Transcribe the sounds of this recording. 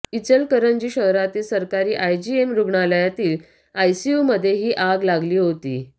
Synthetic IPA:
it͡səlkəɾənd͡ʑiːɕəɦɾat̪iːlsəɾkaɾiːʔajd͡ʑiemɾuɡɳaləjat̪iːl | ajsijuməd̪ʱːjeɦiːʔaɡlaɡliːɦot̪iː

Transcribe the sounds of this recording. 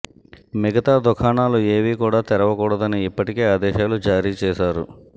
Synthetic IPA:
mɛɡɐt̪aːd̪ukʰaːɳaːlueːʋiːkuːɽaːt̪ɛɾɐʋɐkuːɽɐd̪ɐniːpːɐʈikeːaːd̪ɛːʃaːlud͡ʒaːɾiːt͡ʃɛːʃaːɾṵ

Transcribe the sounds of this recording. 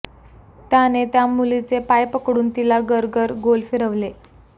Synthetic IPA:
t̪janet̪jamulit͡sepajpəkɽuːnt̪ilaɡəɾɡəɾɡolfiɾəʋle

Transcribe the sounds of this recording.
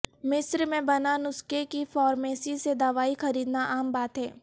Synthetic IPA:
mɪsɾmẽbɐnanʊskekifɔːɾmeːsised̪aːʋaːixɐɾiːd̪naʔaːmbaːt̪ɦɛː

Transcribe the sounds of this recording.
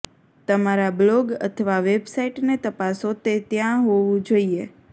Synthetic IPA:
t̪əmaɾabloɡə̰t̪ʰəʋaʋebsaiʈnet̪əpasot̪et̪jãɦoʋũd͡ʒoie

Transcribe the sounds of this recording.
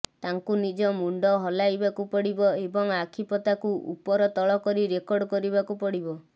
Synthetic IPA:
t̪aŋkunid͡ʒɔmuɳɖɔɦɔlajbakupɔɽibɔebɔŋakʰipɔt̪akuʔṵpɔɾɔt̪ɔɭɔkɔɾiɾekɔɾɖɔkɔɾibakupɔɽibɔ

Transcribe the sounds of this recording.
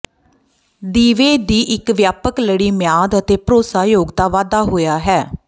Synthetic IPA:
d̪iːʋeːd̪iːʔɪkʋjaːpəkləɽiːmjaːd̪ət̪eːpəɾoːsaːjoːɡt̪aːʋaːd̪aːɦoːjaːɦɛː

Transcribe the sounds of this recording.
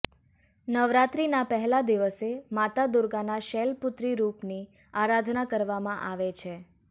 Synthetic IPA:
nəʋɾat̪ɾinapəɦɛlad̪iʋəsemat̪ad̪ʊɾɡanaʃɛlpʊt̪ɾiɾupni | aɾad̪ʱnakəɾʋamãʔaʋet͡ʃʰe

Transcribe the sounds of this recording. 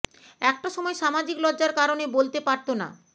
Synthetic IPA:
ɛk̚ʈaʃɔmɔeʃamad͡ʑiklɔdːd͡ʑaɾkaɾonebolt̪epaɾt̪ona̰

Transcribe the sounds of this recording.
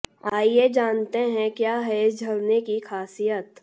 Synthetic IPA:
aːjed͡ʒaːnt̪eɦɛ̃kjaːɦɛɪsd͡ʒʱɐɾnekixʰaːsijət̪

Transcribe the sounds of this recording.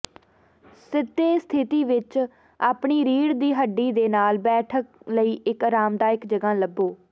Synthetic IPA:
sɪt̪ːeːst̪ʰɪt̪iːʋɪt͡ʃ | aːpɳiːɾiːɽd̪iːɦəɖːiːd̪eːnaːlbɛːʈʰək̚ləiːʔɪkɾaːmd̪aːɪkd͡ʒəɡãːləbːoː

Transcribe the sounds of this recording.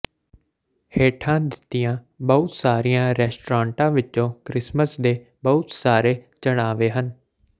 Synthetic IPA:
heːʈʰãːd̪ɪt̪ːɪjãː | bəʊt̪saːɾijãːɾɛːsʈɾãːɳʈãːʋɪt͡ʃːõːkɾɪsməsd̪eː | bəʊt̪saːɾeːt͡ʃəɽ̃aːʋeːɦən

